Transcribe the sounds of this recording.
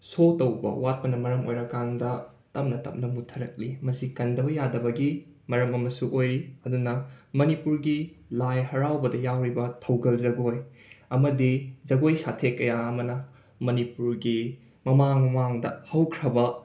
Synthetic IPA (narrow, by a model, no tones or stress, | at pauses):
sotɐwbɐ̰wat̚pɐnɐmɐɾɐmojɾɐkandɐ | tɐmnɐtɐp̚nɐmutʰɐɾɐk̚limɐsikɐndɐbɐjadɐbɐɡi | mɐɾɐmɐmɐsuʔojɾiɐdunɐmɐnipuɾɡilajɦɐɾawbɐdɐjawɾibɐtʰɐwɡɐlzɐɡoj | ɐmɐdizɐɡojsatʰekːɐjaɐmɐnɐ | mɐnipuɾɡi | mɐmaŋwaŋdɐ̰hɐwkʰɾɐbɐ